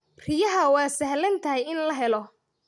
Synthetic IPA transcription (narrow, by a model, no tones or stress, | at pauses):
rɪjɐɦɐwɑːsɐhlɐnt̪ʰɐɦɛjɪnlɐɦɛlɔ